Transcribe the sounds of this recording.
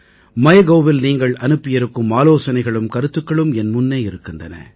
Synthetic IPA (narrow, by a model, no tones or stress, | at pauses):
mɐjɐɣɐːʋɪlniːŋɡɐɭɐnɯpːɪjɐɾɯkːɯmaːloːsɐnɐɪɣɐɭɯmkɐɾɯt̪ːɯkːɐɭɯmɛnmʊnːeːɪɾɯkːɪndrɐnɐ̰